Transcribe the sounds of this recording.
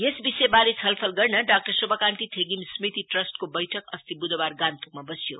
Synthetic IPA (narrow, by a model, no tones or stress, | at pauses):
jesbisejbalet͡sʰʌlpʰʌlɡʌrnʌɖak̚ʈʌrsobʱʌkant̪it̪ʰeɡimsmit̪iʈrʌsʈkobʌjʈʰʌkʌst̪ibud̪obarɡant̪uk̚mabʌsjo̰